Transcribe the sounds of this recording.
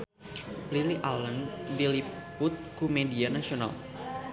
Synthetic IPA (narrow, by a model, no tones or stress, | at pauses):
pliliʔaləndilipʊt̪̚kumedianasiona̰l